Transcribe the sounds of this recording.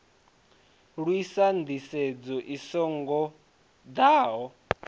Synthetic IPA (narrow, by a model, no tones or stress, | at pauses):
ɺwisand̪ised͡zɔʔisɔŋɡɔ | d̪aːɦɔ